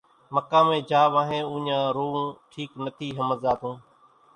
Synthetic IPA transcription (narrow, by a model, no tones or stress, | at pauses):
məkãːmẽːd͡ʒaːʋãːɦẽːʊ̃ːɲãːɾoːũːʈʰiːknət̪ʰiːɦəməzaːt̪ũː